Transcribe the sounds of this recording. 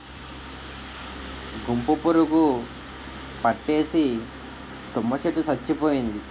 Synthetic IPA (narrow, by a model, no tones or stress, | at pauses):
ɡumpupuɾuɡu | pɐʈːe̞ːsi | t̪umːɐt͡ʃeʈːusɐt͡ʃːipoːjind̪i